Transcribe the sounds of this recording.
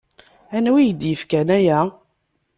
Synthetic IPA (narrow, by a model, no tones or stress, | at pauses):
ænwijd̪jəfkænæjæ